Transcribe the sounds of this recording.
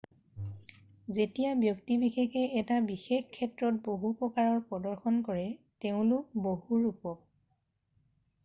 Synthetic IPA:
zetijabjɔktibixexɛɛtabixexkʰːɛtɹɔt̚boɦupɹɔkaɹɔɹpɔdɔɹxɔnkɔɹɛteʊ̃lʊk̚bohuɹupɔk̚

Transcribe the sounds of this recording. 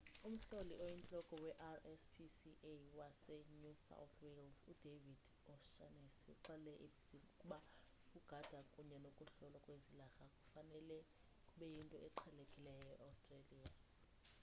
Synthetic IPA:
um̩ɬoliɔjint͡ɬʼɔkʼɔwɛʔarɛspʰisiʔewasɛnusa̰wθʰwelzud̥ʱevid̥ | ɔʃanɛsiǃalɛʔebiz̥imukʼuɓa | kʼuɡ̥ʱad̥ʱakʼuɲɛnokʼuɬɔlakʼwezilaxakʼu̥fanɛlɛ | kʼuɓɛjintʼɔʔɛǃʰɛlekʼilɛjɔɛʔawstʼreliːa

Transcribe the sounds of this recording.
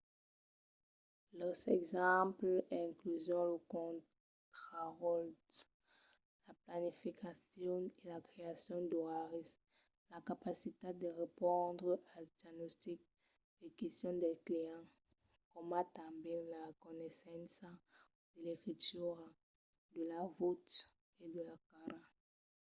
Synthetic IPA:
lɔʁsɛɡzɑ̃plɛ̃klyzjɔ̃ləkɔ̃ | t̪χaʁɔlt | laplanifikasjɔelakχeasjɔ̃d̪ɔʁaʁis | lakapasit̪ed̪əʁepɔ̃d̪ʁəʔad̪jaɡnɔst̪ik̚ | d̥ekɛst̪jɔ̃d̪ɛkleɑ̃ | kɔmat̪ãbɛlaʁəkɔnɛsɑ̃sa | d̪̥əlekχit̪yʁ | d̪əlavut̪ | ed̪əlakaɾa

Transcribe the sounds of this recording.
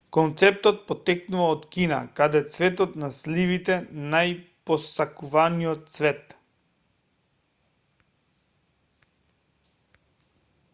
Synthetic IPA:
kɔnt̪sɛp̚t̪ɔt̪̚pɔt̪ːɛknuvaɔt̪kina̰kad̪ɛt̪svɛt̪ɔt̪naslivit̪ɛnajpɔsakuvanijɔt̪̚svɛt̪

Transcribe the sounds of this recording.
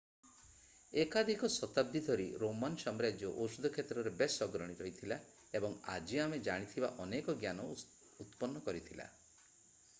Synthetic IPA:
ekad̪ʱikɔswɔt̪ab̚d̪ʱid̪ʱɔɾiɾomansɔmɾad͡ʒjɔʔosud̪ʱɔkʰet̪ɾɔɾebesɔɡɾɔɽ̃iɾɔjt̪ʰila | ebɔŋa̰d͡ʒiamed͡ʒaɽ̃it̪ʰibaʔɔnekɔɡjanɔ | ut̪pɔnːɔkɔɾit̪ʰila̰

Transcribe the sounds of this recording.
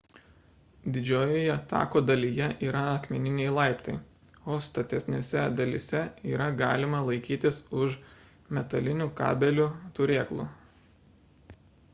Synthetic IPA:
d̪ʲɪd͡ʒʲoːjoːjɛt̪ɑ̰ːkoːd̪ɐlʲijɛʔiːɾɐɐkmʲɛnʲɪnʲɛɪlˠɑɪpt̪ɐɪ | oːst̪ɐt̪ʲɛsʲnʲeːsʲɛd̪ɐlʲɪsʲɛiːɾɐɡɑːlʲɪmɐlˠɐɪkʲiːt̪ʲɪsʊʃ | mʲɛt̪ɐlʲɪnʲuːkɑ̰ːbʲɛlʲuːt̪ʊɾʲeːklˠṵː

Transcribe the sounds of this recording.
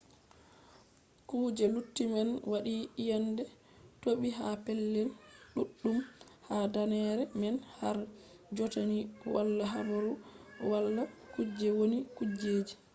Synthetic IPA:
kuːd͡ʒɛlutːimɛnwaɗiʔijandɛ | toɓiɦapɛlːɛlɗuɗːumhadanɛɾɛmɛnhaɾ | d͡ʒɔtaniwa̰lːaɦabaɾuwalːakud͡ʒɛwonikud͡ʒeːd͡ʒi

